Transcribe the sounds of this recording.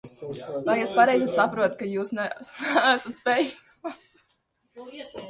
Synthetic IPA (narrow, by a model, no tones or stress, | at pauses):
vajɛspaɾɛjzɛsapɾuɔt̪kajuːsnɛnɛæsat̪spʲɛjikspa